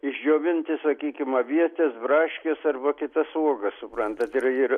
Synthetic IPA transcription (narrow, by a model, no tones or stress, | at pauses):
ɪʒʲd͡ʒʲoːʋʲɪnʲt̪ʲɪsɐkʲiːkʲɪmɐʋʲiɛt̪ʲɛsbrɑːʃʲkʲesɐrbɐkʲɪt̪ɐsuɔɡɐssʊpɾɐnt̪ɐt̪ɪrɪr